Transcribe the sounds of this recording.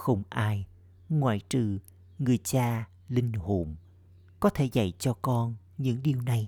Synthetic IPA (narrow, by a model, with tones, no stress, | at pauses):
xə˧wŋ͡mʔaː˧j | ŋwa̰ː˧˨jt͡ɕɨ̰˧˩ | ŋɨ˨˩əjt͡ɕaː˧ | lï˧ŋ̟ho̰˧˩m | kɔ˨˦t̪ʰe˧˩za̰˧˩˨jt͡ɕɔ˧kɔ˧n | ɲɨ̰˧˥ŋɗi˨˩əwna˨˩j